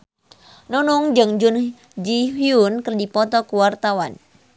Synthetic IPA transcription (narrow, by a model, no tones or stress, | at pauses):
nɔnɔŋd͡ʒɨŋd͡ʒʊn | d͡ʒiɦjunkərdipɔt̪ɔkuwart̪awan